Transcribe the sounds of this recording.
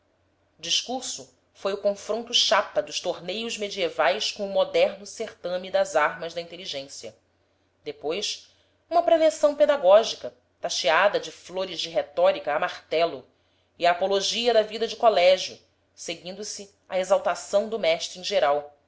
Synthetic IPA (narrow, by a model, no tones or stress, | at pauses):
d͡ʒiʃkuɾsʊ | fojʊkõfɾõnt̪ʊʃapɐd̪ʊʃt̪oɾnejʊzmed͡ʒievajskõʊmod̪ɛɾnʊseχt̪ɐ̃mid̪ɐzaɾmɐzd̪ɐĩnt̪eliʒẽsjɐ | d̪epojs | ũmɐpɾelesɐ̃w̃ped̪aɡɔʒikɐ | t̪aʃiad̪ɐd͡ʒɪfloɾɪzd͡ʒɪɦet̪ɔɾikɐːmaχt̪ɛlʊ | iaːpoloʒiɐd̪ɐvid̪ɐd͡ʒɪkolɛʒjʊ | seɡĩnd̪ʊsi | ɐezawt̪asɐ̃w̃d̪ʊmɛʃt̪ɾuẽʒeɾaw